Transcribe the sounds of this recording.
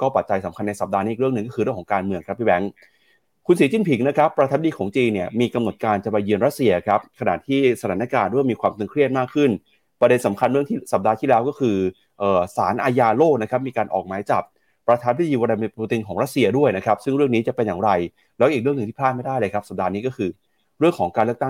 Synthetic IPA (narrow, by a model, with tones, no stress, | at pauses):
kɔː˥˩pa˨˩t̪̚t͡ɕa˧jsa˨˩˦mkʰa˧nːa˧jsa˨˩p̚daː˧niː˦˥˨ɾɯ˥˩əŋnɯ˨˩ŋkːɔː˥˩ɯ˧ɾɯ˥˩kʰɔ˩˦ŋkaː˧nmɯ˧əŋkʰɾa˦˥p̚ʰːi˧˩bɛ˩˥ŋ | kʰu˧nsiː˨˩˦t͡ɕi˥˩npʰi˩˦ŋna˦˥kʰɾa˦˥pːɾa˧aː˧m̚˦diː˧kʰɔː˩˦ŋt͡ɕiː˧nːi˥˩ɐmiː˧ka˧mno˨˩t̪̚kaː˧nt͡ɕa˨˩pa˧jːɯ˧ənɾa˦˥t̪̚si˧ɐkʰa˦˥p̚kʰa˧na̰˨˩t̪ʰiː˥˩sa˧t̪ʰaː˩˦na˦˥kaː˧ndu˥˩jmiː˧kʰwaː˧mt̪e˧ŋkʰɾi˥˩ət̪̚maː˥˩kʰːɯ˥˩n | pɾa˧de˧nsa˩˦mkʰa˧nɾɯ˥˩əŋt̪ʰiː˥˩sa˨˩p̚daː˧t̪ʰiː˥˩lɛː˦˥wkɔː˥˩kʰɯː˧ | ʔɤː˨˩saː˩˦nʔaː˧jaː˧loː˥˩k̚na˦˥kʰa˦˥p̚miː˧kaː˧nʔɔ̰ː˨˩k̚maː˩˦jt͡ɕa˨˩p̚ː | ɾa˧aː˧npʰi˦˥iː˧waː˧na˧m˧puː˧t̪i˧nkʰɔː˩˦ɾa˦˥t̪̚si˧ɐdu˥˩əjna˦˥kʰa˦˥p̚sɯ˥˩ŋɾɯ˥˩əŋniː˦˥t͡ɕa˨˩pe˧njaː˨˩ɾa˧j | lɛ˦˥ʔiː˨˩k̚ɾɯ˥˩nɯ˨˧ŋt̪ʰiː˥pʰaː˥˩ma˥˩jdaː˥˩jlɤː˧kʰa˦˥p̚sa˨˩p̚daː˧niː˦˥kɔː˥˩kʰɯː˧ | ɾɯ˥˩əŋkʰɔː˩˦ŋkaː˧lɯ˥˩t̪a˥˩